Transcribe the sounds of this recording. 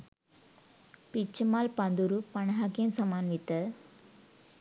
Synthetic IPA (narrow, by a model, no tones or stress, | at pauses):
pit͡ʃːɐmaːlpɐnd̪uɾupɐɳɐɦaːkinsɐmaːnmit̪ːɐ